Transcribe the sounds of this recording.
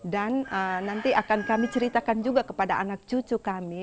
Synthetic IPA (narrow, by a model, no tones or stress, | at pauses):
danənant̪iʔakankamit͡ʃəɾit̪akand͡ʒuɡakəpadaʔanak̚t͡ʃut͡ʃukami